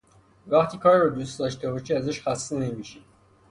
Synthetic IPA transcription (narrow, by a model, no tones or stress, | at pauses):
væxt̪ʰiːkʰɒːɾːɔd̪ust̪d̪ɒʃt̪ebɒʃiæzæʃxæst̪ene̞miʃid̪